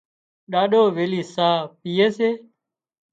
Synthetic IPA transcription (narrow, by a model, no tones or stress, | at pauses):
ɗaːɗoːʋeːliːsaːpiːeːseː